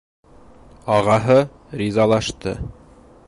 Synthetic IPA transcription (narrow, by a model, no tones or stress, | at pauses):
ɑʁɑɦɤ | rʲizɑlˠɑʃt̪ɤ̰